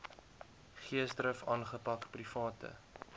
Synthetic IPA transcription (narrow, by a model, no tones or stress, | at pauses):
χiəsdrəfɑːnχəpɐkprifɑːtʰə̰